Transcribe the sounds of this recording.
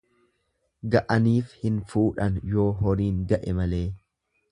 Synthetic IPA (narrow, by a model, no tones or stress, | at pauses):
ɡɐʔɐniːfhɪnfuːᶑɐnjo̞ːhɔɾiːŋɡɐʔɛmɐle̞ː